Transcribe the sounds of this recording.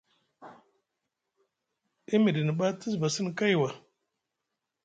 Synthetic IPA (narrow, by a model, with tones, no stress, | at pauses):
i˦mi˨ɾi˨ni˨ɓa˦ti˦sba˨si˦n˨ka˦jwa˨